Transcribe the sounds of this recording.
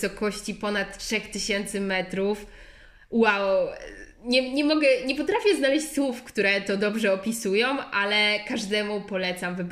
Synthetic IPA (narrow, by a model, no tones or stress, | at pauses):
sɔkɔɕt͡ɕipɔnat̪tʂɛxt̪ɘɕɛnt̪sɘmɛt̪ɾuf | waw | ɲɛɲɛmɔɡɛɲɛpɔt̪ɾafʲjɛznalɛɕt͡ɕʲswufkt̪uɾɛt̪ɔd̪ɔbʐɛɔpʲisujɔ̃w̃ʔalɛkaʐd̪ɛmupɔlɛt̪samvɘb